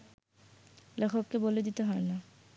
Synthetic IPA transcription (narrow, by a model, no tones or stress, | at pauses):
lɛkʰokːeboled̪it̪eɦɔena